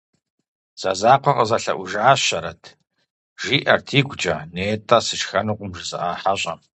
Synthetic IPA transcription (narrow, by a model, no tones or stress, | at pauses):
z̥ɐzaːqʷɔqɐzɐɬɐ̰ʔʷʊʒaːɕɐɾɐtʰ | ʒiːʔɐrtʰiːɡʷt͡ʃʼɐneːtʰʼaːsɨʃxɐnuqʷʼʊmʒɨzɨʔaːħaɕʼɐ